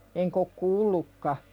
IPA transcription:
eŋk ok kuːlːukːɑ

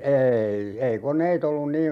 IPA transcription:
eːi ei konˑeit olːun niːn

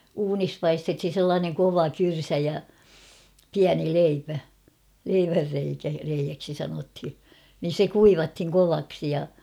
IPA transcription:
uːnis pɑistethin̞ selːɑːneŋ koʋɑ kyrsæ jɑ piæni leipæ leiʋærːeikæ reijæksi sɑnothi nin̞ se kuiʋɑthiŋ koʋɑksi jɑ

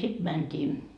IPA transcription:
sid̥ mæntʲiː

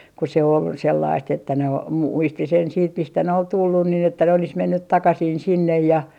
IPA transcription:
ku se ol selːɑist etːæ ne o mu muisti sen siːt mistæ ne ol tulːun nin etːæ ne olis menːyt tɑkɑsin sinːej jɑ

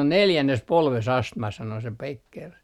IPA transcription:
on neljænːes polʋes ɑstmɑ sɑno se pekːer

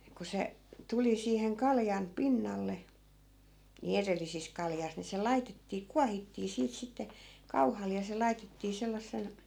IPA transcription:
ku se tuli siːheŋ kɑljɑn pinːɑlːe niˑ erelːisis kɑljɑs ni se lɑitetːiː kuɑhitːiː siːt sitːe kɑuhɑl jɑ se lɑi̯tetːiː selːɑsːen̞

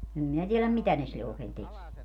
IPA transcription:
em minæ tielæm mitæ ne silːe oːkeːn tekie

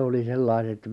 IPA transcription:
oli selːɑiset

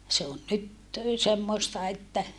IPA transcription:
se on nyt semːoĭstɑ etːæ

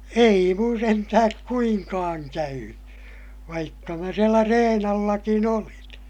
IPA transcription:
ei mun sentæhæk kuiŋkɑːŋ kæyny ʋɑikːɑ mæ sielæ reːn ɑlːɑkin olin

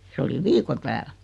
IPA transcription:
se oli ʋiːko tæːl

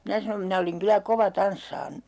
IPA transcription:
minæ sɑnom minæ oliŋ kylæ koʋɑ tɑnsːɑːn

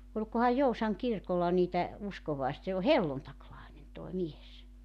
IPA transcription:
olʲkohɑj jousɑŋ kirkolːɑ niːtæ uskoʋɑes se o helːuntɑklɑenen toˑi mies

